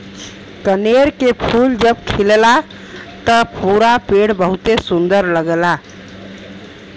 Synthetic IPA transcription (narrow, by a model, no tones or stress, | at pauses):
kəneɾkepʰuld͡ʒəbkʰilela | t̪əpuɾapeɽbəɦut̪esund̪əɾləɡela